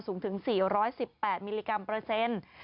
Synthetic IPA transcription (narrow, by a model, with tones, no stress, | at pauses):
suː˩˦ŋt̪ʰɯ˩˦ŋsiː˨˩ɾɔː˦˥jsi˨˩pːɛː˨˩t̪̚miː˧liː˧ka˧mpɾɤː˧se˧˥n